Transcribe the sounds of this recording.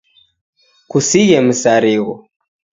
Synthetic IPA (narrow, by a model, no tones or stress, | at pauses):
kusijɛm̩saɾiɣɔ